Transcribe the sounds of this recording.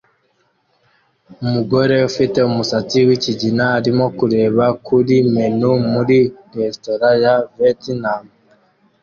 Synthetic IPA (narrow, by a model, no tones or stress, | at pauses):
umuɡo̞ɾe̞ufite̞umusat͡siwiciɟinaːɾimo̞kuɾe̞ːβakʰuɾime̞numuɾiɾestoɾajavetnam